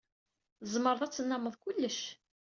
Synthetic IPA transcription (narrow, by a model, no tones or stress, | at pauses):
əzˤməɾˤðˤæt͡sːənːɑməðˤkʊlːəʃ